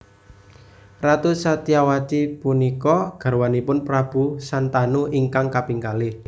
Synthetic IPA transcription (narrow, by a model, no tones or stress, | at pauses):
rat̪usat̪iawat̪ipunikɔɡ̥a̤ɾwanipʊnpɾab̥usant̪anuiŋkaŋkapiŋkalɪ